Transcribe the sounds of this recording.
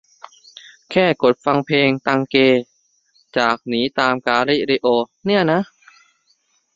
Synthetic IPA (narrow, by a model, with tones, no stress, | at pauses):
kʰɛː˥˩ko˨˩t̪̚fa˧ŋpʰeː˧ŋt̪a˧ŋkeː˧ | t͡ɕaː˨˩k̚niː˦˥t̪aː˧mkaː˧ɾi˦˥˩ɾi˧ʔoː˧ni˥˩ɐna˦˥ʔ